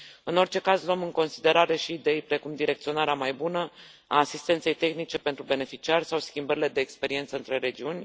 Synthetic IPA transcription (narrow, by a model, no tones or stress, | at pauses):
ɨno̞rt͡ʃe̞kazloomɨŋko̞nsid̪e̞ɾaɾe̞ʃiːd̪e̞jpɾe̞kumd̪iɾe̞k̚t̪sio̞naɾeamajbunə | a̰ːsist̪e̞nt̪se̞jt̪e̞xnit͡ʃe̞pent̪ɾube̞ne̞fit͡ʃiarʲsawskʲimbəɾile̞d̪e̞ːkspe̞ɾiet̪səɨnt̪ɾe̞ɾe̞d͡ʒiunʲ